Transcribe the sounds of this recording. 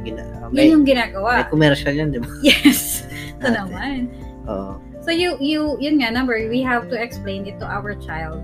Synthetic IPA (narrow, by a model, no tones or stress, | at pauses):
ɡɪna̰omjɛnjʊŋɡɪnaːɡɐwaʔkʊmɛɾʃaljand̪ɪbajɛs | t̪onoman | ʔo̰ʔo | sojujujʊnŋanɐmbɛɹwiɦavt̪uɛksplẽjnɪt̪ːʊʔawə˞t͡ʃajld̪̚